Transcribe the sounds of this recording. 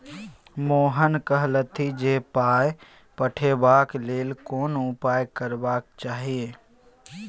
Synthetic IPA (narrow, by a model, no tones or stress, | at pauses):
moːɦənkəɦlət̪ʰid͡ʒeːpaːj | pəʈʰebaːkleːlkoːnʊpaːjkəɾbaːk̚t͡ʃaːɦieː